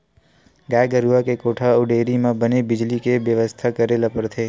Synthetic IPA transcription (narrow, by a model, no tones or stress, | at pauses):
ɡajɡəɾuʋakekoʈʰauɖeɾimãbənebɪd͡ʒlikeʋjəʋəst̪ʰakəɾelapəɾt̪ʰe